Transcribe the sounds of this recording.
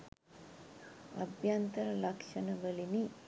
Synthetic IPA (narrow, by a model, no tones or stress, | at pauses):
ɐ̰bjant̪ɐɾɐlɐkʂɐnəʋəlini